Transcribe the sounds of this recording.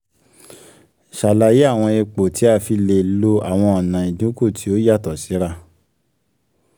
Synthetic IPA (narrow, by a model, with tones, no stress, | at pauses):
ʃa˨la˨je˨˦a˦˨w̃ɔ̃˧e˧k͡po˨ti˨˦a˧fi˧le˧lo˧a˨w̃ɔ̃˧ɔ˨nã˨ĩ˨dũ˨˦ko˦˨tʰi˨˦o˦ja˦˨tɔ˨si˨˦ɾa˦